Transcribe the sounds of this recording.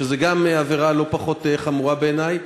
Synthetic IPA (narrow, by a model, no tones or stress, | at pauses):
ʃezeɡameaveʁalo̞paχo̞t̪eχamuʁabeːnaj